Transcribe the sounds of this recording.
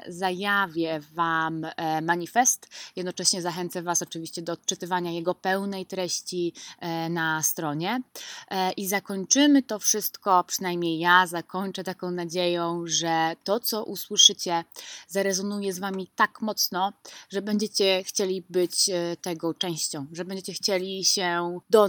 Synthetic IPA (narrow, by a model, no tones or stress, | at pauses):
zajavʲjɛvamːaɲifɛst̪jɛd̪nɔt͡ʂɛɕɲɛzaxɛnt̪savasɔt͡ʂɘvʲiɕt͡ɕɛd̪ɔːt̪̚t͡ʂɘt̪ɘvaɲajɛɡɔpɛwnɛjt̪ɾɛɕt͡ɕinast̪ɾɔɲɛ | ʔizakɔɲt͡ʂɘmɘt̪ɔfʂɘst̪kɔpʂɘnajmɲejːazakɔɲt͡ʂɛt̪akɔ̃w̃nad͡ʑejɔ̃w̃ʐɛt̪ɔt̪sɔʔuswɘʂɘt͡ɕɛzaɾɛzɔnujɛzvamʲit̪akmɔt̪snɔʐɛbɛɲd͡ʑet͡ɕɛxt͡ɕelʲibɘt͡ɕt̪ɛɡɔt͡ʂɛ̃w̃ɕt͡ɕɔ̃w̃ʐɛbɛɲd͡ʑet͡ɕɛxt͡ɕelʲiɕɛd̪ɔ